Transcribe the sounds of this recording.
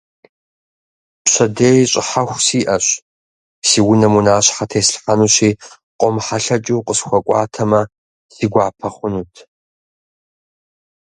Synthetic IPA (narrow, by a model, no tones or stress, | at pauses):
pɕʷɐdeːjɕʼɪ̰ħaxʷsiːʔɐɕ | siːwnɐmunaːɕħatʰeːsɬħanuɕiː | qʷʼɔmħaɬɐt͡ʃʼuwqʼəsxʷɔkʷʼɑːtʰɐmɐ | siːɡʷɑːpʰɐχʷʊnutʰ